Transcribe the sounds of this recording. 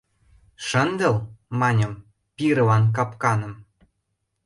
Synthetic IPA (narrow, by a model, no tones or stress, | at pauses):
ʃə̆nd̪ɤ̆lmɑnʲɤ̆m | piɾɤ̆lɑnk̬ɑpkɑnɤ̆m